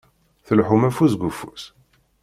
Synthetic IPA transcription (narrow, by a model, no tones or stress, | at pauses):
θəlħumæfusɡufus